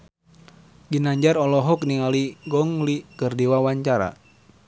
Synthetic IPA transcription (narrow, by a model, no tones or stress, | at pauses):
ɡinaɲd͡ʒaɾɔlɔɦɔkniŋaliɡɔŋlikɨrdiwawaɲt͡ʃaɾa̰